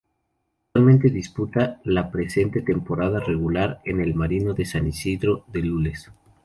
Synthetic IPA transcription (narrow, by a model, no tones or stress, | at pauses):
akalmẽnt̪e̞ðisput̪alapɾe̞se̞nt̪et̪e̞mpo̞ɾaðare̞ɣulaɾe̞ne̞lmaɾino̞ðe̞sanisiðɾo̞ðe̞lules